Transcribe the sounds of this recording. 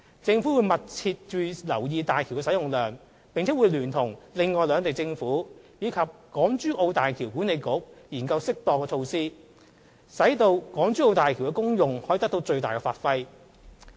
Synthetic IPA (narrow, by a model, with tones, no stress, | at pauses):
t͡sɪ˧ŋfu˨˥wu˨˧jmɐ˨t̚t͡sʰiː˧t̚t͡ʃyː˨˩lɐ˨˩wjiː˧t̪aː˨˩jkʰi˨˩wkɛː˧sɐ˨˥jʊ˨ŋlœː˨˩ŋ | pɪ˨ŋt͡sʰɛː˨˥wu˨˧jlyː˨˩nt̪ʰʊ˨˩ŋlɪ˨ŋːɔː˨jlœː˨˧ŋt̪e˨˩jt͡sɪ˧ŋfuː˨˥jiː˨˧kʰɐ˨p̚kɔː˨˥ŋt͡ʃyː˥ʔo˧wt̪aː˨jkʰi˨˩wku˨˥ne˨jkʊ˨˥k̚jiː˨˩nkɐ˧wsɪ˥k̚t̪ɔː˨kːɛː˧t͡ʃʰo˧wsiː˥ | sɐ˨˥jt̪o˧wkɔː˨˥ŋt͡ʃyː˥o˧wt̪aː˨jkʰi˨˩wkɛ˧˥kʊ˥ŋjʊ˨ŋhɔː˨˥ji˨˧t̪ɐ˥k̚t̪o˧wt͡sɵ˧ɥt̪aː˨jkɛː˧faː˧˥t̚fɐ˥j